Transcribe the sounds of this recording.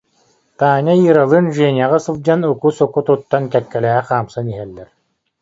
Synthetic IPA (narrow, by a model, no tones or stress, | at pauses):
t̪aːɲajiːɾalˠɯːnʒɛːnʲaʁasɯlˠd͡ʑanukusɔkut̪ut̪ːankɛp̪̚kɛlɛːɛχaːmsaniɦɛlːɛɾ